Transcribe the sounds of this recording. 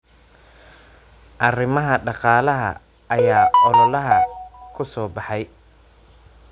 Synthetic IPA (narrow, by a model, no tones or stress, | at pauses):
ʔɐrɪmɐɦɐɖɑqɑːlɐɦɐ̰ | ɐjaːɔlɔlɐɦɐkʰʊsɔːbɑħɑj